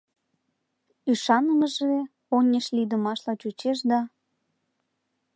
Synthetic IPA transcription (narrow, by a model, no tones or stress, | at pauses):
yʃɑnəməʒe | onʲeʃlid̪əmɑʃlɑt͡ɕut͡ɕeʃd̪ɑ